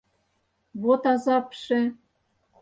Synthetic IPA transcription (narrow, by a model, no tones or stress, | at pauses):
βot̪ɑzɑpʃĕ